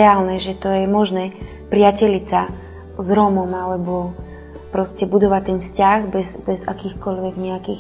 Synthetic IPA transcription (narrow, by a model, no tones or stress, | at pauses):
ɛaːlnɛʒɛt̪ɔjɛmɔʒnɛː | pɾɪacɛʎisa | zɾɔmɔmalɛbɔ | pɾɔscɛbud̪ɔʋat̪ːɛnfscaɣbɛzbɛza̰kiːxkɔʎʋɛɡɲɛakiːx